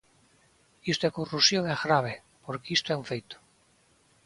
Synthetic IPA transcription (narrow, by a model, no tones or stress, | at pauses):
ist̪oɛkorusjoŋaɣɾaβ̞e | poɾkeist̪oɛũɱfejt̪o̥